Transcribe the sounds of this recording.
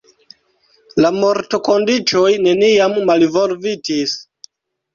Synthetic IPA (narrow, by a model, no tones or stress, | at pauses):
lamoɾto̞kondit͡ʃojne̞niamːalivolvitis